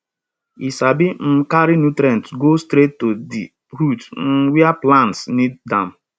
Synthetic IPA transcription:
isabim̩kaɾinutɾɛ̃ntɡostɾetːodḭ | ɾutn̩wɛaplãntsniddãm̩

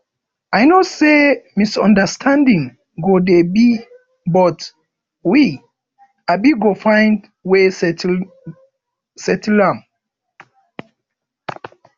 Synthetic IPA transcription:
ajnosemisɔ̃ndəstʰãndĩŋ | ɡodebi | bɔt | wi | abiɡofãɪ̃nd | wes | sɛtlãm

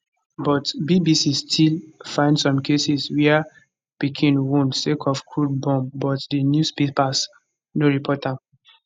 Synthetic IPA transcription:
bɔtbibisistʰilfãɪ̃ndsɔ̃mkesiswia | pikʰĩnwũntsekʰɔfkʰɹud̚bɔ̃mbɔtdinjuspepas | noɹipʰɔtãm

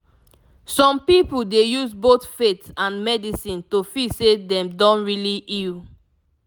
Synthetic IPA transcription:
sɔ̃mpipuldejusbotfetãnmɛdisĩntofisedɛ̃mdɔ̃nɹiliʔil

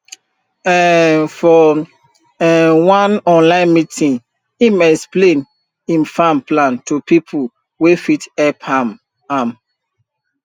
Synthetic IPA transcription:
ɛnfɔ | ɛwãnɔ̃nlãɪ̃nmitĩŋ | imɛksplẽn | ĩnfãmplãntupipʰu | wefitɛpham | am

